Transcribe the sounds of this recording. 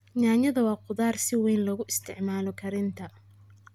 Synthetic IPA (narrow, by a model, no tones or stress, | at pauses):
ɲaːɲɐðɐwɑːqʊðaːrsɪwɛjnlɐɣʊʔɪst̪ʰɪʕmaːlɔkʰɐɾɪnt̪ʰɐ